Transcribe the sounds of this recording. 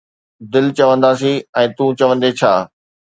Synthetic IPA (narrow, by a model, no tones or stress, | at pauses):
d̪ɪlt͡ɕɐʋə̃nd̪aːsiɛ̃ːt̪ũt͡ɕɐʋə̃nd̪et͡ɕʰaː